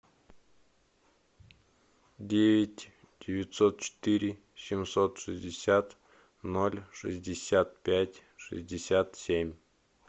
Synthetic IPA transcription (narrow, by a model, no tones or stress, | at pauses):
dʲevʲɪtʲ | d̥ʲɪvʲɪt̪ʲsot̪̚t͡ɕɪ̥t̪ɨɾʲɪ | sʲɪmsot̪ʂɨzʲdʲɪsʲat̪ | nolʲʂɨ̰zʲdʲɪsʲat̪̚pʲætʲʂɨ̰zʲdʲɪsʲat̪sʲemʲ